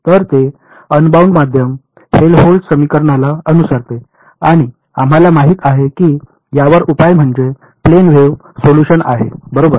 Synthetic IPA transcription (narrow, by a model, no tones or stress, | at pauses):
t̪əɾt̪e | ənbauɳɖmad̪ʱjəm | helɦolɖsəmikəɾɳalaənusəɾt̪e | aɽ̃i | am̤alamaɦik̪aɦekiː | jaʋəɾupajm̤əɳd͡ʑe | plenʋeʋ | soluɕəna̰ɦḛbəɾobəɾ